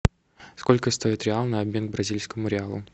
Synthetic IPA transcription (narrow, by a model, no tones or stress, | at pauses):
sko̞lʲkəst̪o̞ɪt̪ɾʲɪalˠnəɐbmʲe̞nɡ̚bɾɐzʲilʲskəmʊɾʲɪalˠʊ̰